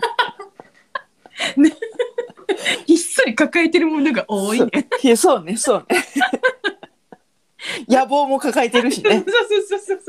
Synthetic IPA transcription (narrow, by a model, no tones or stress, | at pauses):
n | isːoɾʲikakaet̪e̞ɾɯ̟mo̞no̞ɡaʔoːineeso̞ːne̞so̞ːne | jabo̞ːmo̞kakaet̪e̞ɾɯ̟ɕineosoːsoːsos